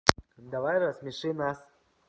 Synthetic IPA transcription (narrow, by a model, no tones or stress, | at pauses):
d̪avajrasmʲiʂɨmnas